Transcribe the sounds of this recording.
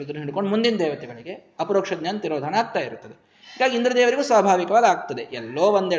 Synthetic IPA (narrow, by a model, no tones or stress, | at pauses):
ɾud̪ɾɐnɦiɽkoɳɖmund̪ind̪ɛːʋɐt̪ɛɡɐɭiɡe̞ | ɐpɐɾoːkʂɐd̪jɐnːt̪iɾoːd̪ʱɐnɐaːɡ̚t̪aːjiɾut̪ːɐd̪e | haːɡaːɡind̪ɾɐd̪ɛːʋɐɾiɡuːsaːbʱaːʋikɐʋaːd̪aːɡ̚t̪ɐd̪e̞ʔɛlːoːond̪e